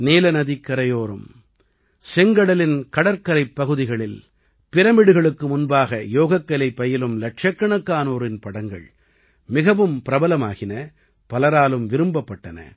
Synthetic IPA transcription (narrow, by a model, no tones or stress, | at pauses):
neːlɐnɐðɪkːɐɾɐjoːɾɯm | sɛŋɡɐɽɐlɪnkɐɽɐɾkɐɾɐɪpːɐɣɯðɪɣɐɭɪl | pɪɾɐmɪɽɯɣɐɭɯkːɯmʊnbaːɣɐjoːɣɐkːɐlɐɪpːɐjɪlɯmlɐʈʂɐkːɐɳɐkːaːnoːɾɪnpɐɽɐŋɡɐ̰ɭ | mɪɣɐʋɯmpɪɾɐbɐlɐma̰ːɣɪnɐ | pɐlɐɾaːlɯmʋɪɾɯmbɐpːɐʈːɐnɐ̰